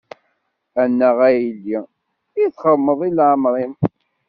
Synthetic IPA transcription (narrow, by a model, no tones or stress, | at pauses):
ænːəʁæjlːi | iθχəmːəðˤilʕəmɾˤim